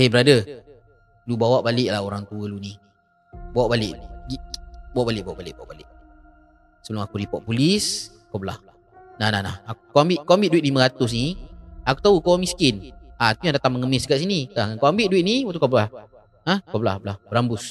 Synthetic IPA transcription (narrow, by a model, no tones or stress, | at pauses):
ebəɾadə | lubawaʔbalɪʔlahoɾaŋt̪uəluni | bawaʔbalɪʔɡibawaʔbalɪʔ̚bawaʔbalɪʔ̚bawa̰ʔbalɪʔ̚ | səbəlʊmakuɾipɔʔpulis | kawbəla̰h | nahnahnahakukaambiʔ̚koambit̪̚duɪt̪̚limə̃ɾat̪ʊs̬niaku̥t̪aukawmiskɪnaakujaŋdat̪aŋməŋəmɪsəɡaʔsinikaŋankaambɪt̪̚duiʔ̪̚niwət̪ukabəlah | ə̃kabəla̰hbəlahbəɾambʊs